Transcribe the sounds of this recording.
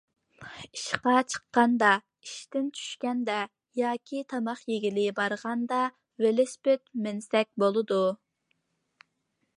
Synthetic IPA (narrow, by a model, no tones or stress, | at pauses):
iʃqɑt͡ʃʰə̥qːɑnd̪ɑ | iʃt̪ɪnt͡ʃʰy̥ʃkʲɛnd̪ɛ | jɑːkʲʰit̪ʰɑmɑχjeɡʲilɪbɑɾʁɑnd̪ɑ | velɪspet̪mɪnsɛk̚ʲbolˠɨd̪u